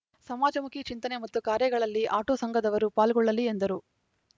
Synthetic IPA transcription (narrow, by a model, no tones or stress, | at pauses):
sɐmaːd͡ʒɐmukit͡ʃint̪ɐne̞mɐt̪ːukaːɾjɐɡɐɭɐlːiʔaːʈoːsɐŋɡʱɐd̪ɐʋɐɾupaːlɡɔɭːɐliend̪ɐɾu